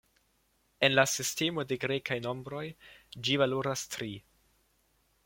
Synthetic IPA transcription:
e̞nlasiste̞mo̞de̞ɡɾe̞kajno̞mbɾo̞jd͡ʒivaloɾastɾi

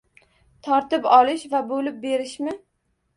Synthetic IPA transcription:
t̪ʰɒɾt̪ɪpɒlˠɪʃvabolɪp̚be̞ɾɪʃmɪ

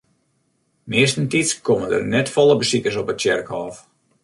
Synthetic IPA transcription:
mɪəstəntitskomədə̰rnɛtfɔlˠəbəsikərsɔpət̚t͡ʃɛrkhɔːf

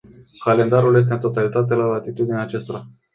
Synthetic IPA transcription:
kale̞nd̪aɾulje̞s̬t̪e̞ɨnt̪o̞t̪alit̪at̪̬e̞lalat̪it̪ud̪ineaːt͡ʃest̪o̞ɾa

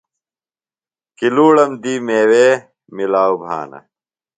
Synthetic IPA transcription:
kiluːɽɐmd̪iːmeːweː | milaːwbʱa̰ːnɐ̰

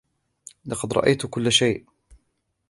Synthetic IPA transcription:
lɑqɑd̪ɾˤɑ̰ʔajt̪kʊlːaʃajʔ

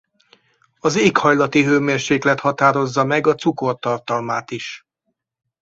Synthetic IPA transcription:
ɒzeːkhɒjlɒt̪iɦøːmeːrʃeːklɛt̪hɒt̪aːɾo̞zːɒmɛɡɒt̪suko̞rt̪ɒrt̪ɒlmaːt̪iʃ

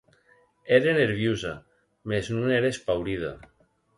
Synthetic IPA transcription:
eɾeneɾβ̞juza | meznuneɾeespawɾið̞a̰

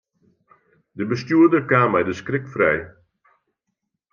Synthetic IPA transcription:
dəbəstjuədəkaːmːɛjdəskrɪkfrɛj

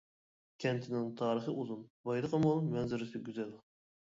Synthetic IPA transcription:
kʲʰɛnt̪ʰɪnɪŋt̪ʰɑːɾəχɨʔuzunbɑjd̪əqʰəmumɛnzɪɾɪsɪɡʲyzɛl

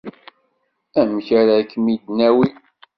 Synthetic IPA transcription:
æmçæɾækːmid̪næwi

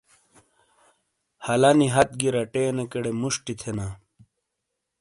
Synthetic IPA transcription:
hɐlɐniɦɐt̪̚ɡiɾɐʈeːnekeɽemuʂʈit̪ʰena

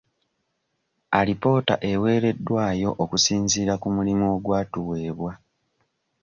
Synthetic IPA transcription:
alipo̞ːta̰ʔe̞we̞ːɾe̞dːwaːjo̞ʔokusiːnziːɾakumulimoɡwaːtuwe̞ːβwa

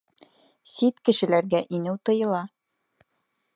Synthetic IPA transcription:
sit̪kɘ̆ʃɘ̆læɾɡæʔinɘwt̪ɤ̆jɤ̆lˠɑ

